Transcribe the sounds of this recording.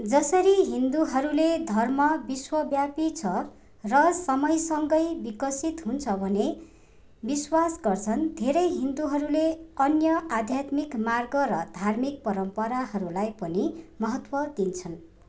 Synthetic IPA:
d͡zʌsʌɾiɦind̪uɦʌɾuled̪ʱʌrmʌbiswʌbjapit͡sʰʌ | rʌsʌmʌjsʌŋɡʌjbikʌsit̪ɦunt͡sʰʌbʱʌne | biswasɡʌrt͡sʰʌnd̪ʱeɾʌjɦind̪uɦʌɾuleʌnjʌad̪ʱjat̪mikmarɡʌɾʌd̪ʱarmik̚pʌɾʌmpʌɾaɦʌɾulajpʌnimʌɦʌt̪wʌd̪int͡sʰʌn

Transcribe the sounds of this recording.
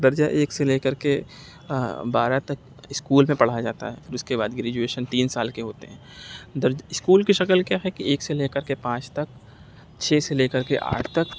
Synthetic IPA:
d̪ɐɾd͡ʒaʔeːkseleːkəɾke | baːɾat̪ɐk | ɪskuːlmẽpɐɽ̤ad͡ʒa̰ːt̪a̰ɦɛ̰pʰɪɾʊskebaːd̪ɡɾɛːd͡ʒueːʃənt̪iːnsaːlkeɦoːt̪eɦɛ̃ːd̪ɐɾd͡ʒaɪskuːlkiʃɐkəlkjaːɦɛkieːkseleːkəɾkepãːt͡ʃt̪ɐk̚ | t͡ʃʰeːseleːkəɾkeʔa̰ːʈʰt̪ɐk

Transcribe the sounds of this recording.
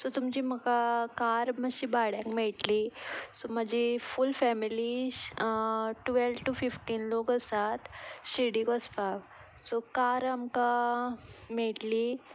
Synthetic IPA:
sot̪umd͡ʑiməkakaɾmaɕibaɽjãkmeɭʈlisomad͡ʑʱifulfɛmili | ʈʋelʋʈufifʈiːnlokəsat̪ɕiɽikəspaʋ | sokaɾamka | meɭʈli

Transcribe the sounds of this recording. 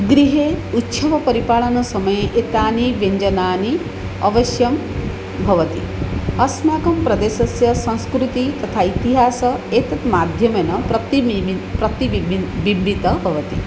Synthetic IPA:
ɡɾiɦeːut̪ʃɐʋɐpɐɾipaːɭɐnɐsɐmɐjeʔet̪aːniʋeɲd͡ʒɐnaːni | ɐ̰ʋɐʃjɐm | bʱɐʋɐt̪ḭ | ɐsmaːkɐmpɾɐd̪eːʃɐsjɐsɐ̃ñskɾut̪it̪ɐt̪ʰaːit̪iɦaːsɐeːt̪ɐt̪maːd̪ʱjɐmɐnɐpɾɐt̪ipɾɐt̪ibibit̪ɐbʱɐʋɐt̪i

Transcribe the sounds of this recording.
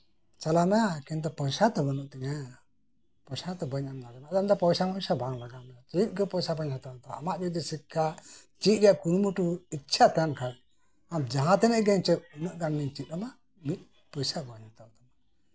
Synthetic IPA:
t͡ʃalamakint̪ɔpɔjsat̪ɔbənuʔt̪ɛɲa | pɔjsat̪ɔbəɲamnaɡɛmaʔd̪md̪ɔpɔjsaŋpɔjsabãŋlaɡamat͡ʃit̪̚ˀɡɔpɔjsabaɲhat̪ɔt̪ɔamaʔbid̪isikʰːat͡ʃit̪̚ˀɾɛjaʔkunmuʈuitːt͡ʃʰat̪ɛnkʰaɽ | amd͡ʒaɦãt̪ɛnɛʔɡɛɲt͡ʃəʔ̚unuʔɡanːiɲt͡ʃit̪̚ˀama | mit̪̚ | pəjsabəɲat̪ɔt̪ɔma

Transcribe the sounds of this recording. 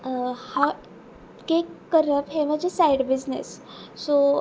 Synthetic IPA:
ha | kekːəɾəpɦemə̃d͡ʑʱesajɖbid͡znḛsː | o

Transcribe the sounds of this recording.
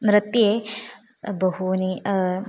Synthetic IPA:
nɾɐt̪je | bɐɦuni

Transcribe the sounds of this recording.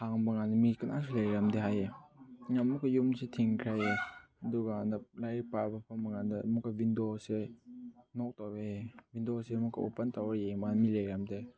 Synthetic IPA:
haŋbɐŋandɐmikanas̬elejɾamdeɦajeŋamukajumsetʰiŋkʰɾaje | ɐduɡanalajpabɐpʰambɐŋandamukːabindose | nɔk̚taevindosemukːaṵpɐntawɾjemanmilajɾamde

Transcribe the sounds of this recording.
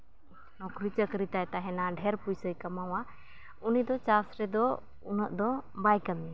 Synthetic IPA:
nɔkɾit͡ʃəkɾit̪ajt̪aɦɛnaɖʱɛɾpujsəjkamawa | unid̪ɔt͡ʃasɾɛd̪ɔ | unəʔd̪ɔbajkəmi

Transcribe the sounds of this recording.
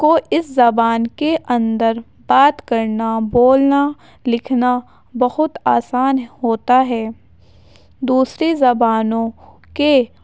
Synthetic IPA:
koɪszɐbaːnkeʔɐ̃nd̪əɾ | baːt̪kɐɾnaboːlna | lɪkʰna | bɐɦʊt̪aːsaːnɦoːt̪aɦɛː | d̪uːsɾezɐbaːnõ | ke

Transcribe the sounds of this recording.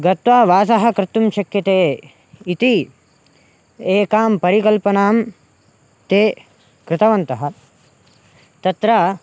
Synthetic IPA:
ɡɐt̪ʋaːʋaːsɐɦɐ̆kɾɪt̪ːumʃɐkjɐt̪eː | it̪i | eːkaːmpɐɾikɐlpɐnaːm | t̪eː | kɾɪt̪ɐʋɐnt̪ɐɦɐ̆ | t̪ɐt̪ɾɐ

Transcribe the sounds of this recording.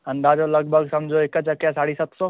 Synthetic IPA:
ɐ̃nd̪ad͡ʒolɐɡ̚bʱəɡsɐmd͡ʒʱoekt͡ʃɐkjasaːɽisɐt̪sɔː

